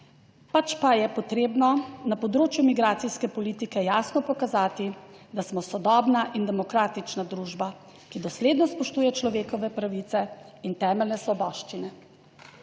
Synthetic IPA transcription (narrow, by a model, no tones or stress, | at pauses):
pat͡ʃpajɛpɔt̪ɾeːbnɔnapɔd̪ɾoːt͡ʃjumiɡɾaːt̪siskɛpɔliːt̪ikɛjaːsnɔpɔkazaːt̪id̪asmɔsɔd̪ɔːbnaʔind̪ɛmɔkɾaːt̪it͡ʃnad̪ɾuːʒba | kid̪ɔsleːd̪nɔspɔʃt̪uːjɛt͡ʃlɔʋeːkɔʋɛpɾaʋit̪sɛint̪ɛːmɛlnɛsʋɔbɔːʃt͡ʃinɛ